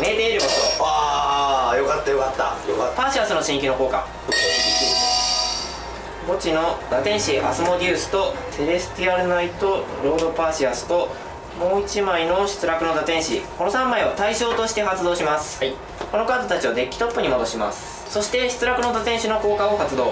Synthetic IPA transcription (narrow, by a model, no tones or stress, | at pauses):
met̪e̞iɾɯ̟kot̪o̰a | jokat̪ːajokat̪ːa̰opaːɕiasɨno̞ɕĩŋikʲino̞ko̞ːka̰ | bo̞t͡ɕino̞d̪at̪ẽ̞ɰ̃ɕia̰sɨmo̞d̪ʲɯːsɨ̥t̪o̞t̪e̞ɾe̞sɨ̥t̪iaɾɯ̟nait̪o̞ | ɾo̞ːd̪o̞paːɕiasɨ̥t̪o̞ | mo̞ːit͡ɕimaino̞ɕi̥t͡sɨɾakɯ̟no̞d̪at̪ẽ̞ɰ̃ɕiko̞no̞sãmːaiβat̪aiɕo̞ːt̪o̞ɕi̥t̪e̞ɦat͡sɨd̪o̞ːɕimasɨ̥ | ko̞no̞kaːd̪o̞t̪at͡ɕiod̪e̞kʲːi̥t̪o̞pːɯ̟ɲ̟imod̪o̞ɕima̰sɨ̥ | so̞ɕi̥t̪e̞ɕi̥t͡sɨɾakɯ̟no̞d̪at̪ẽɰ̃ɕino̞ko̞ːkao̞hat͡sɨd̪o̞ː